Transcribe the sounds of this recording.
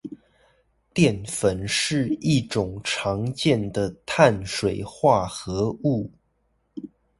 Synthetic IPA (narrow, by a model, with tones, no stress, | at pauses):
t̪jɛ˥˩nfə˨˩nʂɻ̩˥˧i˥˩ʈ͡ʂʊ˨˩ŋʈ͡ʂʰɑ˧˥ŋt͡ɕjɛ˥˩nd̪ə˩t̪ʰa˥˩nʂwe˨˩ɪxwa˥˩xɤ˧˥u˥˩